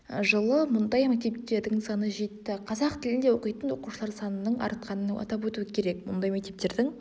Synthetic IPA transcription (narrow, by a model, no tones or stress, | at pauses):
ʒəlˠəmʊnd̪ɑjmek̚t̪e̞pt̪e̞ɾd̪ɪŋsɑnəʒe̞t̪ːɪqʰɑzɑqt̪ʰɪlɪnd̪e̞wo̞qəjt̪ənwo̞quʃəlˠɑɾsɑnənəɴʔɑ̰ɾt̪̚qʰɑnənɑ̰t̪ɑp̬wɵt̪uwɪkʲʰe̞ɾe̞k̚mʊ̰nd̪ɑjmekt̪e̞p̚t̪e̞ɾd̪ɪŋ